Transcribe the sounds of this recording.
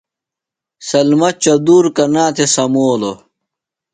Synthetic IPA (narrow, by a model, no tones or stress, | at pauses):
sɐlmɐt͡ɕɐd̪uːɾkɐnaːt̪ʰesɐmoːlo